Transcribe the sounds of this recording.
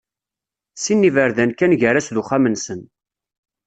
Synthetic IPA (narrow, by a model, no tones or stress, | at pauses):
sinːivəɾðænkænʝəɾæsðʊχamənsən